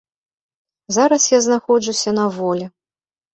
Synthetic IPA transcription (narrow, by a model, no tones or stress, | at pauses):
zaɾɐsjaznaxɔd͡ʐusʲɐnɐvɔlʲɛ